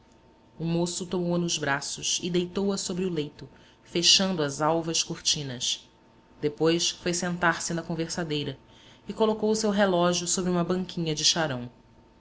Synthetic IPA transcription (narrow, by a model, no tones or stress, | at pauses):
ʊmosʊt̪omowɐnʊzbɾasʊʃɪd̪ejt̪owɐsobɾɪʊlejt̪ʊ | feʃɐ̃nd̪ʊɐzawvɐʃkuɾt͡ʃĩnɐs | d̪̥epojsfojsẽnt̪aɾsɪnɐkõveɾsad̪ejɾɐ | ɪkolokowʊsewɦelɔʒiʊsobɾiũmɐbɐ̃ŋkʰʲĩɲɐd͡ʒɪʃaɾɐ̃w̃